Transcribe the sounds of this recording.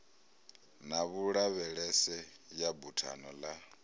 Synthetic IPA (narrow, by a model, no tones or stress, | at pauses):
naβuɺaβɛɺɛsɛjabutʰa̰nɔla